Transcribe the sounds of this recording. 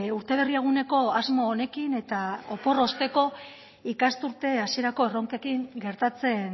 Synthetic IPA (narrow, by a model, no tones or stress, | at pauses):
uɾt̪e̞β̞e̞rieɣ̞une̞ko̞azmo̞ːne̞kine̞t̪ao̞po̞rost̪e̞ko̞ | ikast̪uɾt̪e̞asie̞ɾako̞e̞ro̞ŋkekiŋɡe̞ɾt̪at͡se̞n